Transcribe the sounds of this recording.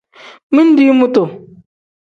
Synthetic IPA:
mi˦n̩˦di˦mu˦to˨

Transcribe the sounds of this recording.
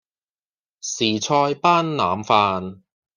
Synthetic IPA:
siː˨˩t͡ʃʰɔː˧jpaː˥nːa̰ː˨mfaː˧n

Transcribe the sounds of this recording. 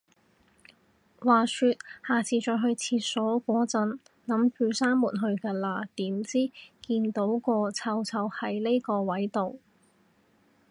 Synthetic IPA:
waː˨syː˧t̪̚haː˨˩t͡sʰiː˨t͡ʃɔː˧jɦɵ˧ɥt͡sʰiː˧t̚sɔː˨˥kʷɔː˨˥t͡sɐ˧n | nɐ˨˥mpʰyː˨˧wsaː˥nmuː˨˩nɦɵ˧ɥkɛː˧laː˧t̪iː˨˥mt͡siː˥kiː˧nt̪o˨˥wkɔː˧t͡sʰɐ˧wt͡sʰɐ˧whɐ˨˥jle˥jkɔː˧wɐ˨˥jt̪o˨w

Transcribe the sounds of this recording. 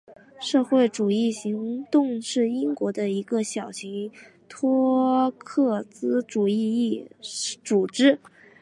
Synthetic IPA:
ʂɤ˥˧xwe˥˩ɪʈ͡ʂu˨˩i˥˩ɕi˧˥ŋt̪ʊ˥˧ŋʂɻ̩˥˩i˥ŋkwɔ˧˥d̪ə˧i˧˥ɡə˧ɕjɑ˨˩ʊɕi˧˥ŋ | t̪ʰwɔ˥kʰɤ˥˩t͡sɹ̩˥ʈ͡ʂu˨˩i˥˧i˥˩t͡su˨˩ʈ͡ʂɻ̩˥

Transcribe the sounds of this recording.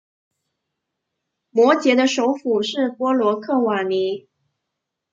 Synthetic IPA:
mwɔ˧˥t͡ɕjɛ˧˥d̪ə˧ʂo˧˥ʊfu˨˩ʂɻ̩˥˩pwɔ˥lwɔ˧˥kʰɤ˥˩wa˨˩ni˧˥

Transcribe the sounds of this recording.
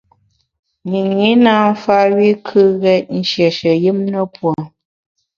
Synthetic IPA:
ɲi˨ŋi˨˦na˦ɱ̩˦fa˦ɥi˦kʰɨ˦ɣɛ˦t̚n̩˦ʃjɛ˨ʃə˨ji˦mnə˦pwɔ˨

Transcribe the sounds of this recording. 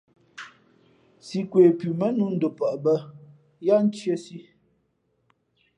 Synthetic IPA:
si˨kwe˨pʉ˨mə˦nu˦n̩˦do˨pə˨ʔbə˦ | ja˦n̩˦t͡ʃje˦si˦

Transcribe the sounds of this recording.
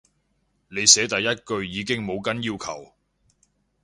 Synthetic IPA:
ne˨˧jsɛː˨˥t̪ɐ˨jːɐ˥t̚kɵ˧ɥjiː˨˧k̬ɪ˥ŋmo˨˧wkɐ˥njiː˥˧wkʰɐ̰˨˩w

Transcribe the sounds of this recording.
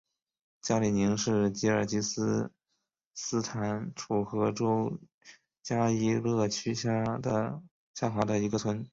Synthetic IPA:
t͡ɕja˥li˨˩ni˧˥ŋʂɻ̩˥˩t͡ɕi˧˥ə˞˨˩t͡ɕi˧˥sɹ̩˥ | sɹ̩˥t̪ʰa˧˥nʈ͡ʂʰu˨˩xɤ˧˥ʈ͡ʂo˥ʊ | t͡ɕja˥i˥lɤ˥˩t͡ɕʰy˥ɕa˥də˧ | ɕja˥˩xwa˧˥d̪ə˧i˧˥ɡə˧t͡sʰwə˧˥n

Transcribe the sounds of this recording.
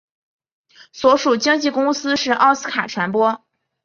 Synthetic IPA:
swɔ˧˥ʂu˨˩t͡ɕi˥ŋt͡ɕi˥˩kʊ˥ŋsɹ̩˥ʂɻ̩˥˩ʔɑ˥˧ʊsɹ̩˥kʰa˨˩ʈ͡ʂʰwa˧˥npwɔ˥

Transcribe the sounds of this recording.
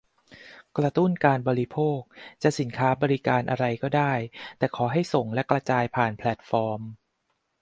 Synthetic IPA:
kɾa˧t̪u˥˩nkaː˧nbɔː˧ɾi˦˥pʰoː˥˩k̚t͡ɕa˨˩si˩˦nkʰaː˦˥bɔː˧ɾi˦˥kaː˧nʔa˧ɾa˧jkɔː˥˩daː˥˩jt̪ɛː˨˩kʰɔː˩˦ɦa˥˩jso˨˩ŋlɛ˦˥kɾa˧t͡ɕaː˧jpʰaː˨˩npʰlɛ˨˩t̪̚fɔː˧m

